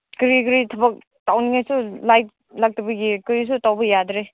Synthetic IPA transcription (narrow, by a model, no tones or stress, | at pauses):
kɾikɾitʰɐbɐk̚ | tawniŋajsulajt̚ | lak̚tɐbɐɡikɾis̬utawbɐjadɾe